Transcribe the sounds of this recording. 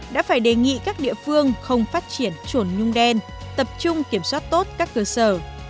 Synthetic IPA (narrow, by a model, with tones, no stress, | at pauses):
ɗa̰ː˧˥faː˧˩jɗe˨˩ŋḭ˧˨kaː˦˥k̚ɗḭ˧˨əfɨ˧əŋxə˧wŋ͡mfaː˦˥t̚t͡ɕi˧˩ənt͡ɕu˧˩nɲʊ˧ŋ͡mɗɛ˧n | t̪ə˨˩p̚t͡ɕʊ˧ŋ͡mki˧˩əmswaː˦˥t̚t̪o˦˥t̚kaː˦˥kːəː˧səː˧˩